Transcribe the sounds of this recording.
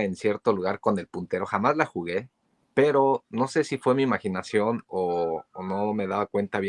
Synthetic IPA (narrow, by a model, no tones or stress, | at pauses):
ensje̞ɾt̪o̞luɣ̞aɾko̞ne̞lpunt̪e̞ɾo̞xamazlaxuɣe̞ | pe̞ɾo̞no̞se̞sifwe̞miːmaxinasjo̞noːno̞me̞ðaβakwe̞nt̪aβj